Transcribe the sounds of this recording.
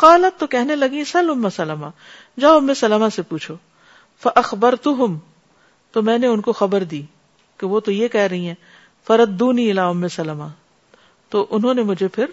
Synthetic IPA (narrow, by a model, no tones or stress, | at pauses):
qaːlɐt̪ːokɛɦnelɐɡĩsɐlʊmːasɐləma | d͡ʒaʊmːesɐləmasepuːt͡ʃʰo | fɐʔɐxbɐɾt̪ʊɦʊm | t̪omɛ̃ːneʊnkoxɐbəɾd̪iː | keʋot̪ojekɛɦɾɐɦĩɦɛ̃ː | fɐɾɐd̪ːuːniːɪlaːʊmːesɐlma | t̪oʔʊnɦõːnemʊd͡ʒʱepʰɪɾ